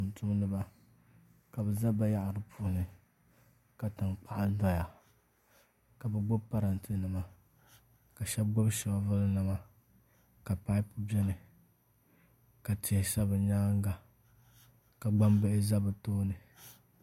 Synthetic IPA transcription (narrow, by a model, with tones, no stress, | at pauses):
n˨tʰʊ˦m˦nɨ˦ba˦ | ka˨bɛ˨za˦ba˦ja˦ʔa˨ɾɨ˨pʰu˦˨ʊ˨nɨ˨ | ka˨ta˨ŋk͡pʰa˦ʔa˦da˦ja˨ | ka˨bɨ˦˨ɡ͡bʊ˦bpa˦ɾa˨ntɨ˦nɨ˨ma˨ | ka˨ʃɛ˦b̚ɡʊ˦bʃɛ˨ba˦vʊ˦lnɨ˨ma˨ | ka˨pa˦ɪ˦pʊ˦bɛ˦nɨ˨ | ka˨ti˨ɛ˨sa˦bɨ˨ɲaː˦ŋ˦ɡa˨ | ka˨ɡ͡ba˦mbɛ˦ʔɪ˦za˦bɨ˨toː˦nɨ˨